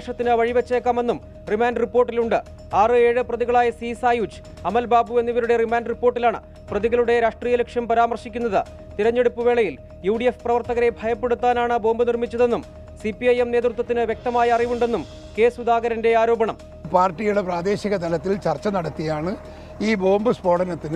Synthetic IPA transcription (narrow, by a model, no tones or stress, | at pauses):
ʂɐt̪ːinɨʋɐɻiʋɐt͡ɕːeːkːaːme̞nːum | rimaːnɖripːoːrʈːiluɳɖɨ | aːrɨe̞ːɻɨprɐðiɣɐɭaːjɐsisaːjuːt͡ɕːɨ̥ | ɐmɐlbaːbue̞nːiʋɐɾuɽe̞rimaːnɖripːo̞ːrʈːilaːɳɨ̰ | prɐðiɣɐɭuɽe̞ɾaːʂʈriːjɐlekʂjɐmpɐɾaːmɐrʂikʲːunːɐðɨ | t̪iɾɐɲːe̞ɽupːɨʋe̞ːɭɐjil | juːɽijefprɐʋɐrt̪ɐɣɐɾe̞bʱɐjɐpːe̞ɽut̪ːaːnaːɳɨbo̞ːmbɨnirmit͡ɕːɐðe̞nːum | sipːiɐjemnet̪rut̪̬ːwɐt̪ːinɨʋjek̚t̪ɐmaːjɐːriʋuɳɖe̞nːum | ke̞ːsud̪aːɣɐɾɐnde̞aːɾo̞ːbɐɳɐm | paːrʈːijuɽepraːd̪e̞ːɕiɣɐt̪ɐlɐt̪ːilt͡ɕɐrt͡ɕːɐnɐɽɐt̪ːijaːɳɨ | iːbo̞ːmbɨspo̞ːɽɐnɐt̪ːinɨ